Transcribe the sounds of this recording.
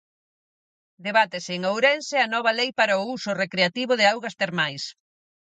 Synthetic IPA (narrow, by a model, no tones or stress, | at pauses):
d̪eβat̪ɪsɪːŋowɾɛnsɪanɔβ̞ɐlejpaɾaʊusʊrekɾeat̪iβʊðɪawɣɐst̪eɾmajs